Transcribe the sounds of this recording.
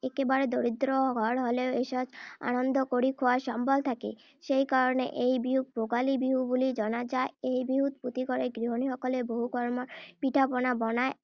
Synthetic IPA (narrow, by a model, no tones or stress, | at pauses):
ekebaɾed̪oɾid̪ɾɔɡʱɔɽɦoleoeʃɔd͡ʒa̰nɔnd̪ɔkoɾikʰoaɾʃɔmbɔlt̪ʰakḛ | ʃejkaɾɔnḛʔejbiɦupoɡalibiɦubulid͡ʒɔnad͡ʑaeejbiɦut̪̚put̪ikɔɾeɡɾiɦoniɦɔkɔleboɦukɔɾmɔɾpiʈʰapɔnabɔnae